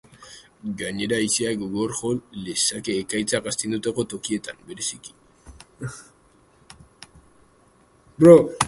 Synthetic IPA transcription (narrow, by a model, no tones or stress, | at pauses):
ɡaɲe̞ɾaiseaɡoɣo̞ɾxo̞lle̞sake̞ːkajt͡sakast̪end̪ut̪ako̞t̪o̞kie̞t̪ambe̞ɾe̞siki̥ | bɾo